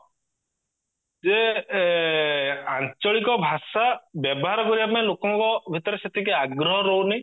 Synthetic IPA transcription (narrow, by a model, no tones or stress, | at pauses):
d͡ʒe | ant͡ʃɔɭikɔbʱasabjɔbɔɦaɾɔkɔɾibapaĩlokɔŋkɔbʱit̪ɔɾeset̪ʰikeaɡɾɔɦɔɾownaj